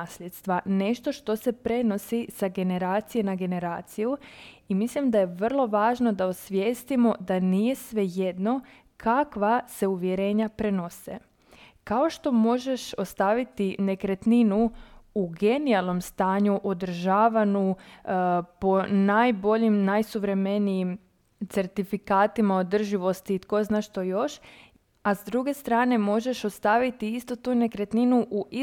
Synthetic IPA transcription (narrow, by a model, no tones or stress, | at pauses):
aslet̪st̪ʋane̞ʃt̪o̞ʃt̪o̞se̞pɾe̞no̞sisaɡe̞ne̞ɾaːt̪sije̞naɡe̞ne̞ɾaːt̪sijuimislimd̪aje̞ʋər̩lˠo̞ʋaːʒno̞d̪aosʋjeːst̪imo̞d̪anije̞sʋe̞je̞d̪no̞ | kʰakʋase̞uʋje̞ɾe̞ːɲapɾe̞no̞sḛ | kao̞ʃt̪o̞mo̞ʒe̞ʃo̞st̪aʋit̪ine̞kɾet̪ninuuɡe̞nialˠnomst̪aːɲuʔo̞d̪r̩ʒaːʋanu | po̞najbo̞ʎimnajsuʋɾe̞me̞nijim | t̪se̞ɾt̪ifikaːt̪imaod̪r̩ʒiʋo̞st̪iːt̪ko̞znaːʃt̪o̞jo̞ʃ | azd̪ɾuɡe̞st̪ɾaːne̞mo̞ʒe̞ʃost̪aʋit̪iist̪o̞t̪une̞kɾet̪ninuʔui